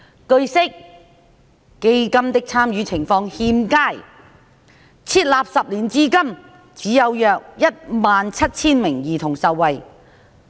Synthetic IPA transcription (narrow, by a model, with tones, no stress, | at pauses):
kɵ˧ɥsɪ˥k̚ | e˧jkɐ˥mt̪ɪ˥k̚t͡sʰaː˥mjyː˨˧t͡sʰɪ˨˩ŋfɔː˧ŋhiː˧mkaː˥˩j | t͡sʰiː˧˥t̚laː˨p̚sɐ˨p̚liː˨˩nt͡siː˥kɐ˥m | t͡siː˨˥jɐ˨˧wjœː˨k̚jɐ˥t̚maː˨nt͡sʰɐ˥t̚t͡sʰiː˥nmɪ˨˩ŋjiː˨˩t̪ʰʊ˨˩ŋsɐ˨wːɐ˨j